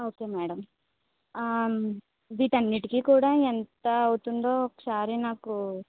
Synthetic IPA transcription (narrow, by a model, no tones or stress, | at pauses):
oːkeːmɛːɽɐm | d̪iːt̪ɐnːiʈikikuːɽaːent̪ɐːwut̪uɳɖoːkːɐ̥saːɾinaːku